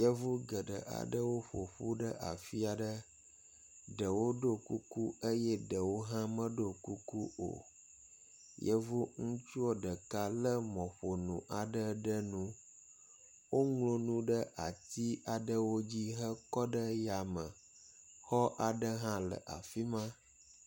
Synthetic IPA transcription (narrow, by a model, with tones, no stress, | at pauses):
jə˦vu˦ɡə˨ɖə˨ʔa̰˨ɖə˦wo˦ɸo̰˨ɸu˦ɖə˦ʔa̰˨fi˦a˨ɖə˦ | ɖə˨wo˦ɖo˦ku˦ku˦ə˦jɛ˦ɖə˨wo˦ɦã˦mə̃˦ɖo˦˨ku˦ku˦o̰˨ | jə˦vu˦ŋũ˦t͡ʃu˦ɔ˦ɖə˨ka˦lə˦mɔ̃˨ɸo˨nṵ̃˨ʔa˨ɖə˦ɖə˦nũ˦ | wo˦ŋlo˨nũ˦ɖə˦ʔa˨t̪i˦a˨ɖə˦wo˦d͡ʑi˦ɦə˦kɔ˦ɖə˦ja˨mə˨ | xɔ˦ʔa˨ɖə˦ɦã˦lə̰˨ʔa̰˨fi˦mã˦